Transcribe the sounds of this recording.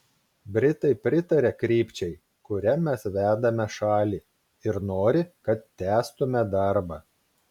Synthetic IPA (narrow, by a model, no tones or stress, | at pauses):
bʲɾʲɪt̪ɐɪpʲɾʲɪt̪ɐɾʲɛkɾʲiːpʲt͡ʃʲɛɪ | kʊɾʲɛmʲɛsʋʲæːd̪ɐmʲɛʃɑːlʲiː | ɪɾnoːɾʲɪkɐt̪t̪ʲæːst̪ʊmʲɛd̪ɐɾbɑ